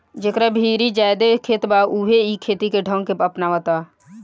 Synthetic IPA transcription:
d͡ʒekɾabʱiːɾid͡ʒaːjd̪ekʰeːt̪bauɦeikʰeːt̪ikeɖʱə̃ŋɡkeəpnaʋət̪aː

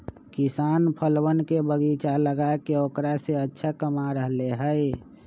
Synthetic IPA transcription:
kisaːnpʰəlwənkebəɡit͡ʃaləɡaekeoːkɾaseətːʃʰakəmaɾəɦleɦəj

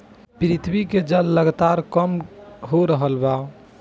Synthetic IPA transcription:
pɾit̪ʰbiked͡ʒəlːəɡt̪aɾkəmɦoɾəɦəlba

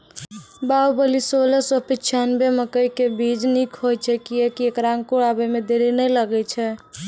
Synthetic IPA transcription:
baubəlisoləsəpit͡ʃʰanbeməkəjkebid͡ʒnikʰɦojt͡ʃʰɛkiekiekɾaŋɡkuɾabəmed̪eɾinɛjləɡɛt͡ʃʰɛ

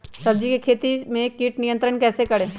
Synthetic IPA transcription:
sɐbd͡ʒikekʰeːt̪imẽkːiːʈnijə̃nt̪ɾəɳkɛːsekɐɽẽː

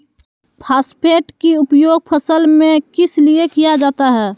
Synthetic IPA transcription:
pʰaːspʰeːʈkiʊpjoːɡ̚pʰəsəlmẽkɪsliekijad͡ʒaːt̪aɦɛː

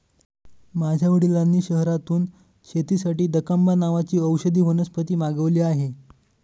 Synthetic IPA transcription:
mad͡ʑʱjaʋəɽilanːiːɕəɦɾat̪uːn | ɕʰet̪iːsaʈiːd̪əkambanaʋat͡ɕiːəwɕəd̪ʱiːʋənəspət̪iːmaɡəʋliːaɦe

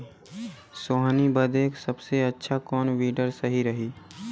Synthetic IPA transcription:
soːɦnibəd̪eːksɐbseɐtːʃʰakɔːnʋiːɖəɾsɐɦiɾɐɦiː

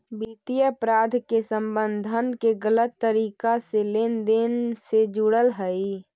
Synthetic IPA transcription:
bit̪ijəəpɾaːd̪ʱkesəmbənd̪ʱənkeɡələt̪ːəɾikaselend̪ensed͡ʒuɽəlɦəi

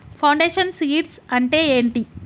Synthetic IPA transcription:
pʰɐwɳɖeːʂɐnsiːʈsɐɳʈe̞ːeːɳʈi

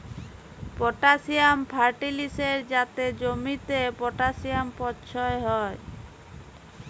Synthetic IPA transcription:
pɔʈasiampʰaɾʈiliseɾd͡ʒat̪ed͡ʒomit̪epɔʈasiampɔtːʃʰɔeɦɔe

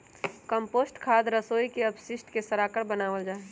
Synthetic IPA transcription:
kəmpoːsʈkʰaːd̪ɾəsoːikeɐbsɪsʈkesəɾaːkəɾbənaːʋəld͡ʒaːe

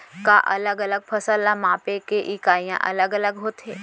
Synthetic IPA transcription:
kaʔɐləɡələɡ̚pʰɐsəlːamãːpekeʔɪkaːijã̰ʔɐ̰ləɡələɡɦoːt̪ɦeː

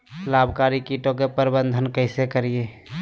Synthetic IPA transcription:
labʱkaɾikiʈõk̬epəɾbənd̪ʱənkəɪsekəɾije

